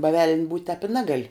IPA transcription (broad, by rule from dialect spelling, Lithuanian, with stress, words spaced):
bɐ ʋʲɛlʲnʲ buːtʲ tʲɛːp ɪ ˈnʲæːɡɐlʲ